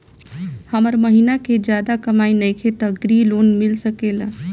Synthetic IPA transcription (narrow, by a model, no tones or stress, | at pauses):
həməɾməɦinaked͡ʒjad̪akəmainəjkʰet̪əɡɾilonmilsəkelə